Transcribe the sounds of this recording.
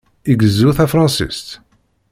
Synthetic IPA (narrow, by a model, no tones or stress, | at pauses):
iɡəzːuθæfɾˤɑ̃nsḭst̪